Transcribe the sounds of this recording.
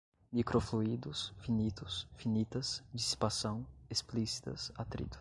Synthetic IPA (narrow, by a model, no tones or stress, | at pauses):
mikɾofluid̪ʊsfinit̪ʊsfinit̪ɐsd͡ʒisi̥pasɐ̃w̃esplisi̥t̪ɐ̰sat̪ɾḭd̪u̥